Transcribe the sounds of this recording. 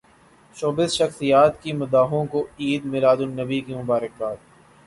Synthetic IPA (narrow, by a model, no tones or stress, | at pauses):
ʃoːbɪsʃɐxsijaːt̪kimʊd̪aːɦõkoiːd̪mɪlaːd̪ʊnɐbikimʊbaːɾək̚baːt̪̚